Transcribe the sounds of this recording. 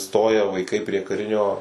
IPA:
ˈstoːjɛ ʋɐɪˈkɐɪ pʲrʲiɛ kɐˈrʲɪnʲoː

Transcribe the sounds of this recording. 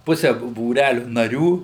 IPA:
ˈpʊsʲɛ buː buːˈrʲælʲʊ nɐˈrʲuː

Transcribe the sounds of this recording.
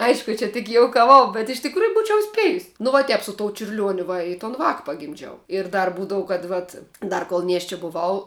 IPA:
ˈɐɪʃkʊ ˈt͡ʃʲɛ tʲɪk joːʊkɐˈʋɐʊ bʲɛt ɪʃ tʲɪkˈruːjʊ ˈbuːt͡ʃʲɛʊ ˈsʲpʲæːjʊs nʊ ʋɐ ˈtʲɛp sʊ toːʊ t͡ʃʲʊrʲˈlʲuɔnʲʊ ˈʋɐ ɪ toːn ˈʋɑːk pɐɡʲɪmʲˈd͡ʒʲɛʊ ɪr ˈdɐr ˈbuːdɐʋʊ kɐt ˈʋɐt ˈdɐr koːlˠ ˈnʲiɛʃʲt͡ʃʲɛ bʊˈʋɐʊ

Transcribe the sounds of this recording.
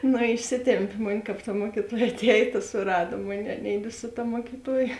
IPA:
ˈnʊ ɪʃʲˈsʲɪtʲɛmʲpʲɪ moːnʲ ˈkɐp tɐ ˈmuɔkʲɪtoːjɛ ɐˈtʲæːjɛ tɐ sʊˈrɑːdoː ˈmoːnʲɛɪ ɐˈnʲɛɪdʲɪ sʊ ˈtɐ muɔkʲɪˈtuɔjɛ

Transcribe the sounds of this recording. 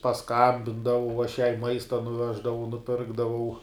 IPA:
pɐsˈkɐmʲbʲɪndɐʋɐʊ ɐʃ jɛɪ ˈmɐɪstɐ nʊˈʋʲæːʒdɐʋɐʊ nʊˈpʲɪrɡdɐʋɐʊ

